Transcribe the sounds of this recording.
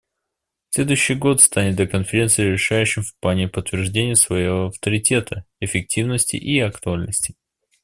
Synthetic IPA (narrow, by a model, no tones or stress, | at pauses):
sʲlʲe̞d̪ʊjʉɕːɪjɡo̞t̪st̪anʲɪt̪d̪əkənfʲɪɾʲe̞nt̪sɨjɪɾʲɪʂajʉɕːɪmfplˠanʲɪpət̪ːvʲɪrʐdʲenʲɪjəsvəjɪvoɐft̪əɾʲɪtʲe̞t̪ʰəɪfʲɪk̚tʲivnəsʲtʲɪ̰ʔiɐkt̪ʊalʲnəsʲtʲɪ̥